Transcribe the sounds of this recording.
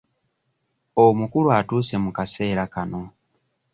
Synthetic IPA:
omukuɾuatuːse̞mukaseːɾakano

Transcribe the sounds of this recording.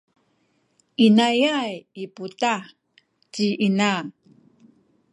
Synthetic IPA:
inajajiputa | t͡ɕiʔinaŋ

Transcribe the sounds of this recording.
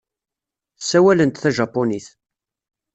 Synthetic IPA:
sæwælənt̪θæʒɑpːoniθ

